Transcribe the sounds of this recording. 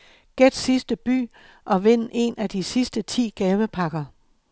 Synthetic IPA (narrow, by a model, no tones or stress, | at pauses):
ɡ̥ed̥sisd̥əb̥y̰ː | ʔɒ̽ʋe̝n̰e̝̰nʔæd̥isisd̥ət͡sʰḭːɡ̥ɛːʋəpʰɑ̈ɡ̥ɐ